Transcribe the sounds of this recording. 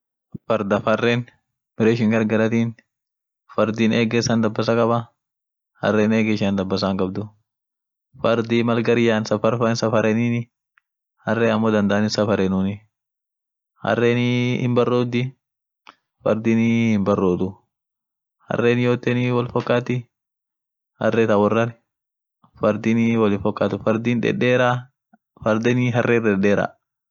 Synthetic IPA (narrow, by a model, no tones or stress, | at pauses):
fɐɾd̪ɐfɐrːeːn | m̥ɪɾeːʃ̬ɪŋɡɐɾɡɐlɐt̪iːn | fɐɾd̪iːneːɡeːsːɐnd̪ɐbːɐsɐkʼɐbɐ | hɐ̰rːeːneːɡeʃɐnd̪ɐbːɐs̬ɐːŋkʼɐbd̪ʊ | fɐɾd̪iːmɐlɡɐɾɪjaːnsɐfɐɾfɐnsɐfɐɾɛniːnɪ | hɐrːeːɐmːoːd̪ɐnd̪ɐʔɐnɪsɐfɐɾeːnʊːnɪ | hɐ̰rːeːnihɪmbɐrːoːd̪ɪ | fɐ̰ɾd̪ɪnihɪmbɐrːoːd̪ʊ | hɐ̰rːeːnɪjoːt̪ːɛniːwɔlfɔkːaːt̪ɪ | hɐ̰rːeːt̪ɐwɔrːɐnɪ | fɐɾd̪iniwɔlɪfɔkːaːt̪ʊfɐɾd̪iːnᶑɛ̰ᶑːeːɾa | fɐɾd̪ɛniɦɐrːʔeːdɛᶑeːɾa̰